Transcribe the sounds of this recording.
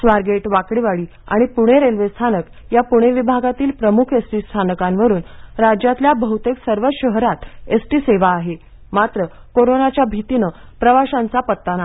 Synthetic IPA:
sʋaɾɡeʈʋakɽiʋaɭiː | a̰ɽ̃ipuɽ̃eɾelʋest̪ʰanək | japuɽ̃eʋibʱaɡat̪iːlpɾəmukʰesʈiːst̪ʰanəkãnʋəɾuːnɾad͡ʑjat̪ljabəɦut̪eksəɾʋəɕəɦɾat̪esʈiːseʋaːɦe | mat̪ɾə | koɾonat͡ɕjabʱit̪inə | pɾəʋaɕãnt͡sapət̪ːana

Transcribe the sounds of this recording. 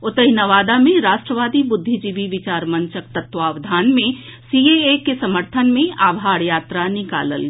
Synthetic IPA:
ʊt̪əɦinəʋaːd̪amẽɾaːʃʈɾəʋaːd̪ibʊd̪ʱːid͡ʒiʋiʋɪt͡ʃaːɾmə̃nt͡ʃək̚t̪ət̪ʋaːʋd̪ʱaːnmẽ | sieekesɐməɾt̪ʰənmẽaːbʱaːɾjaːt̪ɾanɪka̰ːlə̰l

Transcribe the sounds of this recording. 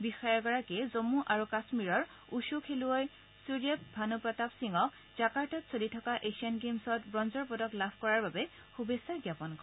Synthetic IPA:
bixɔjɔɹɡɔɹakɛzomuʔaɹukasmiɹɔɹ | uʃukʰeluoj | suɹiɛp̚bʱanupɹɔtapsiŋɔk | zakaɹtɔtsʰolitʰɔkaʔesiɔnɡemsɔtbɹɔnzɔɹpɔdɔklabʱkɔɹaɹbabɛ | xubesːajɡjapɔnk

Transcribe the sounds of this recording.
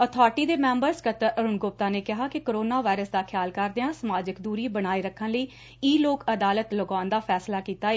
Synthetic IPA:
ət̪ʰaːɾʈiːd̪eːmɛ̃ːmbəɾskət̪əɾəɾʊnɡʊp̚t̪aːneːkɪɦaːkɪkoɾoːnaːʋaːɪɾəsd̪aːkʰjaːlkəɾd̪eãːsəmaːd͡ʒəkd̪uːɾiːbəɽ̃aːiɾəkʰːənləiː | iːloːkəd̪aːlət̪ləɡaːnd̪aːpʰɛːslaːkiːt̪aːeː

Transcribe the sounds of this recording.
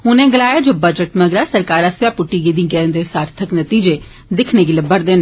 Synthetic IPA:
ɦʊnẽːɡəlaːjaːd͡ʒoːbəd͡ʒəʈməɡɾaːsəɾkaːɾast̪jaːpʊʈːiːɡeːd̪ĩːɡɛːnd̪eːsaːɾt̪ʰəknət̪iːd͡ʒeː | d̪ɪkʰnẽːɡɪləbəɽd̪eːn

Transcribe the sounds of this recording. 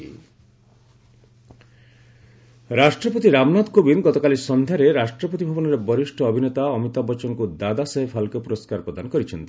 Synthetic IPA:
ɾaʃʈɾɔpɔt̪iɾamnad̪kobinɡɔt̪ɔkalisɔnd̪ʱjaɾeɾaʃʈɾɔpɔt̪ibʱɔbɔnɔɾebɔɾiʃʈʰɔɔbʱinet̪aɔmit̪abɔt͡ʃɔnkud̪ad̪aseɦepʰalkepuɾoskaɾpɾɔd̪anɔkɔɾit͡ʃʰɔnt̪i

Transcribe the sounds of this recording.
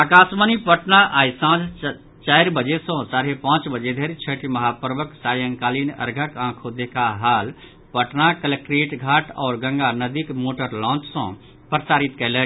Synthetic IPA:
aːkaːsmənipəʈnaʔaːjsãːd͡ʒ | t͡ʃaɪɾbəd͡ʒesɔ̃saːɾepãːt͡ʃbəd͡ʒed̪ʱeɾet͡ʃʰəʈiməɦapəɾʋəksaːjəŋkaːlinə̰ɾɡʱəkãːkʰod̪ekʰaɦaːl | pəʈnakələkɾeʈɡʱaːʈʰɔːɾɡə̃ŋɡanəd̪ikmoːʈəɾlɔ̃ːt͡ʃsɔ̰̃ | pɾəsaːɾit̪kɛɪlɛk

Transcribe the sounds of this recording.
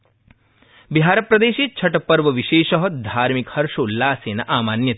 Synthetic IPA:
biɦaːɾɐpɾɐd̪eːʃiːt͡ʃʰɐʈɐpɐɾʋɐʋiʃeːʃɐɦɐd̪ʱaːɾmikhɐɾʃoːlːaːseːnɐʔaːmaːnjɐt̪

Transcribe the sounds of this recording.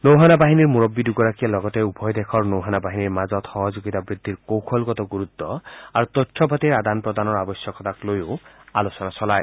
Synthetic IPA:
nowɦanabaɦiniɾmuɾɔbːid̪uɡɔɾakijalɔɡɔt̪eubʱɔjd̪ekʰɔɾnowɦanabaɦiniɾmad͡ʒɔt̪hɔɦɔd͡ʒoɡit̪abɾid̪ʱːiɾkowkʰɔlɡɔt̪ɔɡuɾut̪ːɔaɾut̪ɔtʰːɔbʱat̪iɾad̪anpɾɔd̪anɔɾabɔsjɔkɔt̪aklojoalosɔnasɔlaj

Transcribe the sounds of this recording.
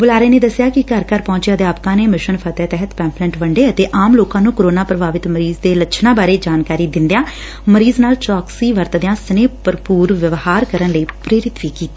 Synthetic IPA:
bʊlaːɾeːneːd̪əsːjaːkɪkəɾkəɾpɔ̃ːɲt͡ʃjãːd̪eaːpkãːneːmɪʃənpʰət̪ɛːt̪ɛɦət̪pɛ̃ːmplɛ̃ɳʈʋəɳɖeːət̪eːʔaːmloːkãːnũːkoɾoːnãːpɾəbaːʋɪt̪məɾiːzd̪eːlət͡ʃʰnãːbaːɾeːd͡ʒaːnkaːɾiːd̪ɪnd̪jãː | məɾiːznaːlt͡ʃɔːksiːʋəɾt̪d̪ejãːsəneːpəɾpuːɾʋɪʋhaːɾkəɾənləiːpɾeːɾɪt̪ʋiːkiːt̪iː

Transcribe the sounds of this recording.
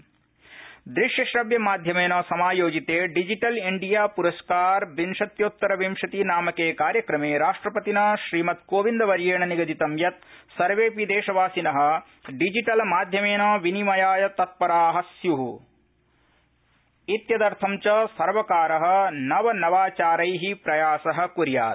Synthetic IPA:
d̪ɾiʃjɐʃɾɐbjɐmaːd̪ʱjɐmeːnɐːsɐmaːjoːd͡ʒit̪eːɖid͡ʒiʈɐliɳɖijaːpuɾɐskaːɾbinʂɐt̪joːt̪ːɐɾɐʋimʂɐt̪inaːmɐkeːkaːɾjɐkɾɐmeːɾaːʂʈɾɐpɐt̪inɐʃɾiːmɐt̪koːʋind̪ɐʋɐɾjeːɳɐniɡɐd̪it̪ɐmjɐt̪̚sɐɾʋeːpid̪eːʃɐʋaːsinɐɦɐ̆ | ɖid͡ʒiʈɐlmaːd̪ʱjɐmeːnɐːʋinimɐjaːjɐt̪ɐt̪̚pɐɾaːɦɐsjuɦu | it̪jɐd̪ɐɾt̪ʰɐmt͡ʃɐsɐɾʋɐkaːɾɐɦɐ̆nɐʋɐnɐʋaːt͡ʃaːɾɐjɦipɾɐjaːsɐɦɐ̆kuɾja̰ːt̪̚

